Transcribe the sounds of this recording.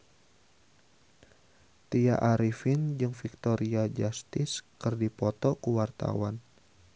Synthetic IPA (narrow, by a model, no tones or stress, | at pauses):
t̪iaʔaɾifɪnd͡ʒɨŋfik̚t̪oɾiad͡ʒast̪ɪskɨrdipɔt̪ɔkuwart̪a̰wan